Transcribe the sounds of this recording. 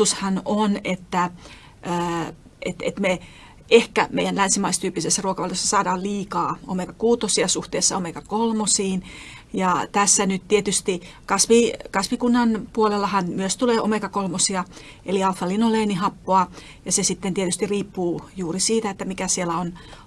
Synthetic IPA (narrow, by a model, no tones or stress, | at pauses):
ushɑnonet̪ːæː | ḛt̪ḛt̪me | ehkæmeijænlænsimɑist̪yːpːisesːæruokɑʋɑljosːɑsɑːdɑːlliːkɑːo̰mekɑkuːt̪osiɑsuht̪eːsːɑomekɑkolmosiːn | jɑt̪æsːænytt̪iet̪yst̪ikɑsʋikɑsʋikunːɑnpuolelːɑhɑnmyøst̪uleːʔomekɑkolmosiɑ | eliɑlfɑlinoleːnihɑpːoɑ | jɑsesit̪ːent̪iet̪yst̪iriːpːuːjuːrisiːt̪æet̪ːæmikæsielæon